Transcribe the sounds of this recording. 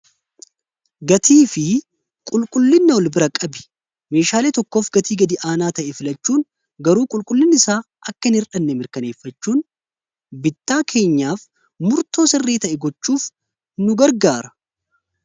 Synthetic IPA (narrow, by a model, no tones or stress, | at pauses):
ɡɐt̪ʰiːfɪ | kʼʊlkʼʊlːɪnːɐwɔlbɪɾɐkʼɐbɪ̥ | me̞ːʃaːleːt̪ɔkːo̞ːfɡɐt̪iːɡɐd̪ɪʔaːnaːt̪ɐʔɛfɪlɐt͡ʃːuːn | ɡɐɾuːkʼʊlkʼʊlːɪnːɪsaː | ʔɐkːɐɪnhɪɾᶑɐnːɛmɪɾkɐne̞ːfːɐt͡ʃːuːn | bɪt̪ːaːkʰe̞ːɲːaːf | mʊɾt̪o̞ːsɛrːeːt̪ɐʔɛɡɔt͡ʃːuːf | nʊɡɐɾɡaːɾɐ